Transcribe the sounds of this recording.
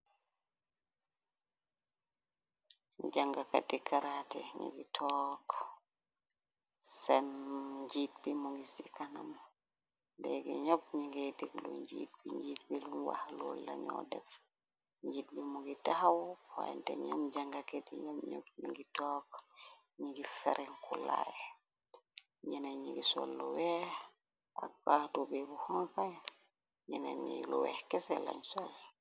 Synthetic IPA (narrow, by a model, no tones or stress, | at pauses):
d͡ʒaŋɡakatikaɾatɛɲḭŋɡitʰɔːkɔ̥ | sɛnɲd͡ʒit̚bimuŋɡisikanam | bɛɡɛ̰ɲobɲiŋɡetiklṵɲd͡ʒḭt̚biɲd͡ʒitbilunwa̰hlṵlːa̰ɲɔ̰dɛf | ɲɟiːt̚bimuɡitahawhaj̰ntɛ̰ɲomd͡ʒaŋɡaketiɲomɲo̰p̚ɲiŋɡitɔːkɲiɡifɛɾɛŋkula̰jɛ | ɲinaɲḭɡiso̰lːuwɛh | ʔa̰k̚bahdubebuhɔŋka | ɲinaɲiluwɛ̰hkɛsɛla̰ɲsɔl